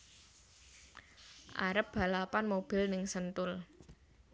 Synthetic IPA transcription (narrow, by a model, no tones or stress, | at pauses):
ʔa̰ɾəp̚b̥a̤lapanmob̥ɪ̤lnɪŋsənt̪ʊl